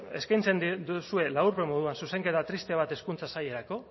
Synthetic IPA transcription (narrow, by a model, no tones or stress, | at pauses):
e̞skajnt͡se̞nd̪id̪usue̞lauɾpemo̞ð̞uansuse̞ŋke̞t̪at̪ɾist̪e̞β̞at̪e̞skunt͡sasaje̞ɾako̞